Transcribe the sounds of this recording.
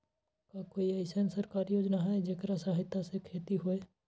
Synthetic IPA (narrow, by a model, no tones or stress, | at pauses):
kakoːiɐɪsensəɾkaːɾjoːd͡ʒnaɦɛd͡ʒeːkɾasaːɦɪt̪asekʰeːt̪iɦoeː